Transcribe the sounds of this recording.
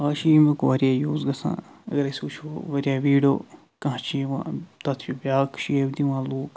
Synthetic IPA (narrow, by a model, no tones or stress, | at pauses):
aːʃiːmekoʋɐɾjaːjoːzɡɐsã̰ːɐ̰ɡɐɾɐsʲuːt͡ʃʰoʋɐɾʲjaːʋiːɖo̰ː | kɐ̃ɦt͡ʃʰiʋã̰ːt̪ɐt̪ʰibjaːkʰʃiebd̪iʋãːloːk